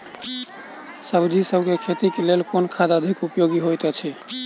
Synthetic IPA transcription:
səbd͡ʒisəbʱkekʰet̪ikelelkonkʰad̪əd̪ʱikupjoɡiɦojt̪ɛt͡ʃʰɛ

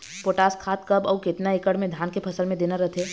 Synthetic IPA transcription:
poːʈaːskʰaːt̪̚kɐbɔːkɪt̪naɪkəɽmẽd̪ʱjaːnkepʰɐsəlmẽd̪eːnaɾɐt̪ʰeː

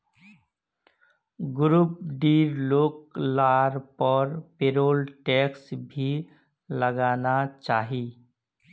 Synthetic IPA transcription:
ɡʊɾuːp̚ɖiːʋloːklaːɾpəɾpeːɾoːlʈɛːksbʱi | ləɡaːnat͡ʃaːɦiː

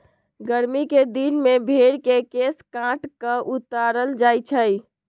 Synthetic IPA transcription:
ɡəɾmiked̪inmebʱeɽkekeskãʈkəʔut̪aɾəld͡ʒajt͡ʃʰəj

